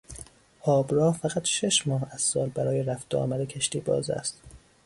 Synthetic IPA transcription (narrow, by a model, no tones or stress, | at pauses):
hɒːbɾɒːhfæɣæt̪ʃe̞ʃmɒːhæz̥sɒːlbæɾɒːjeɾæfd̪̥ɒ̰ːmæɾecʰeʃt̪iːbɒ̰ːzæ̰st̪